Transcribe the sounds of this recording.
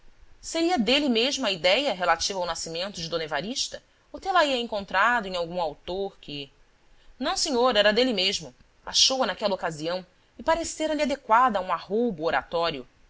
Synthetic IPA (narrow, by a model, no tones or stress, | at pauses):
seɾiɐd̪elimeʒmʊɐid̪ɛjɐɦelat͡ʃivɐawnasimẽnt̪ʊd͡ʒɪd̪õnevaɾiʃt̪ɐ | ot̪elaiɐẽŋkõnt̪ɾad̪ʊẽj̃awɡũawt̪oɾkʰɪ | nɐ̃w̃seɲoɾɛɾɐd̪elimeʒmʊ | a̰ʃowɐnakɛlɐokaziɐ̃w̃ | ɪpaɾeseɾɐliad̪ekwad̪ɐũahowbʊoɾa̰t̪ɔɾjʊ